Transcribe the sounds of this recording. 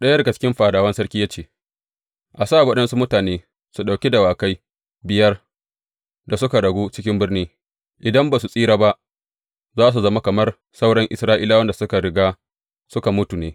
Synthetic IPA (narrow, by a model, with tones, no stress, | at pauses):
ɗɐ˦jɡa˨t͡ʃɪ̥˦kʲɪ˦mɸaː˨daː˨wɐ˦nsɐ˦ɾkʲiː˦ja˦t͡ʃeː˦˨ | ʔa˨saː˦˨wɐ˦ɗɐ˦nsu˦mʊ˦taː˨neː˦ | su˨ɗa˨wkʲe˦da˨waː˨ka˦j | bɪ˨jɐ˦r | da˨sʊ˦ka˨ɽɐ˨ɡuː˦t͡ʃɪ˦kʲɪ˦mbɪ˦rniː˦ | ʔɪ˨dɐ˦mbaː˨s̬u˨sʼiː˦ɽaː˦ba˦ʔ | zaː˦s̬u˨zɐ˦ma˦kɐ˨mɐ˦r | sa˦wɽɐ˦ŋʔɪ̰˨sɾaː˦ʔi˦la˦wɐ˦nda˨sʊ˦ka˨ɽɪ˦ɡaː˦ | sʊ˦ka˨mʊ˦tu˨neː˦